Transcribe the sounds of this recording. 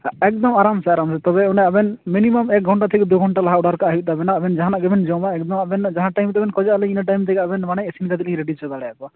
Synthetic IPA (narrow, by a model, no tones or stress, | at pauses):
ɛk̚d̪ɔmaɾamsɛaɾamsɛt̪ɔbɛunaabɛnminimɔmɛk̚ɡʱɔɳʈat̪ʰɛkɛd̪uɡʱɔɳʈalaɦaɔɽaɾkaaɦit̪abɛnaːbɛnd͡ʒaɦanaʔɡɛbʱɛnd͡ʒɔwmaɛk̚d̪ɔmabɛnd͡ʒaɦãʈajmt̪ɛbɛnkɔd͡ʒaalɛinaʈ̬ajmt̪ɛɡaabɛnmanajesinkad̪ɛlĩɾeɖid͡ʒt͡ʃɔd̪aɽɛjakɔ